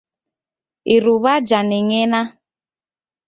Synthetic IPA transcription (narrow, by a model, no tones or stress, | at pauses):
iɾuβad͡ʒanɛŋena